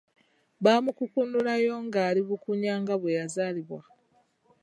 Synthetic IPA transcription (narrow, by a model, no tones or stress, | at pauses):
βaːmukukundulajo̞ŋɡaːliβukuɲaːŋɡaβwejazaːliβwa